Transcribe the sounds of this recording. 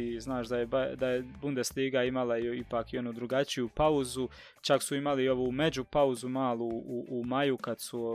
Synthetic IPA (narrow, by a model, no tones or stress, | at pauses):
iznaːʃd̪ajebad̪aje̞bund̪esliːɡaimalaipaːkio̞nud̪ɾuɡat͡ʃijupauzu | t͡ʃaksuimalio̞ʋume̞d͡ʑupauzumaːlˠuːʔːmajukad̪su